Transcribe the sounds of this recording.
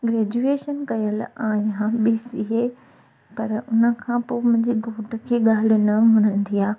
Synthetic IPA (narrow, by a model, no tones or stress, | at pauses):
ɡɾɛːd͡ʑueːʃənkɐjəlaːɦãɓiːsiɦeː | pɐɾʊnə̆kʰãpoːmʊ̃ɦɪ̃ɲd͡ʑiːɡʱoːʈə̆kʰeːɠaːl̤nɐmɐɽ̃ə̃n̆d̪ijaː